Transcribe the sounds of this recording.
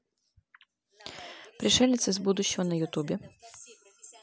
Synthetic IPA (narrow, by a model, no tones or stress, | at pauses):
pɾʲɪʃɛlʲnɪt̪sʲɪzbud̪ʊɕːɔɦɔnɐjʊt̪ubʲi